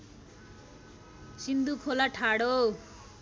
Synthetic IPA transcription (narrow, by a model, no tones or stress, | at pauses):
sind̪ukʰolaʈʰaɽo